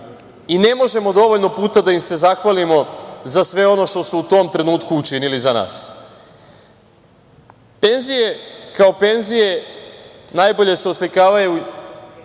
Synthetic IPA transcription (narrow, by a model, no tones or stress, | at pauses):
ine̞mo̞ʒe̞mo̞d̪o̞ʋoʎno̞puːt̪ad̪aimse̞zaxʋalimo̞zasʋe̞o̞no̞ʃt̪o̞suut̪o̞mt̪ɾe̞nuːt̪kuːt͡ʃinilizana̰ːs | pe̞nzije̞kaope̞nzije̞ | najbo̞ʎe̞se̞oslikaːʋaju